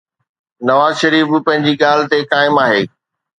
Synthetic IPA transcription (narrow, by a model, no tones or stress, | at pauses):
nɐʋaːzʃɐɾiːfpɐ̃ɦɪ̃ɲd͡ʑiɠaːl̤ɪt̪ekaːɪmaːɦeː